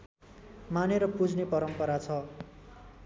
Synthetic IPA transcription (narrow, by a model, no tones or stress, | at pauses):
maneɾʌpud͡zʱnepʌɾʌmpʌɾat͡sʰʌ